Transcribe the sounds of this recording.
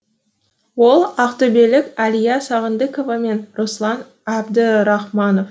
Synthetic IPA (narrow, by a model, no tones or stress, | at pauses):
wo̞lˠɑqt̪əbelɪkʲɑlijɑsɑʁənd̪ɪkovɑme̞nɾoslˠɑn | æbd̪əɾɑχmɑno̞f